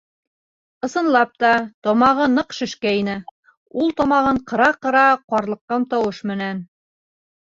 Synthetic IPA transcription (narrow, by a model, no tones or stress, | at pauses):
ɤ̆sɤ̆nlˠɑp̚t̪ɑt̪ɒmɑʁɤnɤqʃɘ̆ʃkæinɘ | ulˠt̪ɒmɑʁɤɴqɤ̆ɾɑqɤ̆ɾɑqɒɾlˠɤ̆qːɑmt̪ɒwɤʃmɘ̆næn